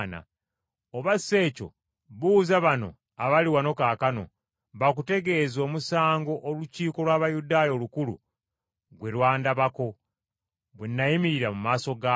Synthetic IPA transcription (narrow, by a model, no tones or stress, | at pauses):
na̰ | oβase̞ːco̞̰ | βuːzaβano̰ | aβaliwano̞kaːkano̞̰ | βakute̞ɡe̞zo̞ːmusaːŋɡo̞ʔːluciːko̞lwaːβajudaːjo̞lukulṵ | ɡwe̞lwaːndaβako̞ | βwenːajimiɾiɾamumaːso̞ɡa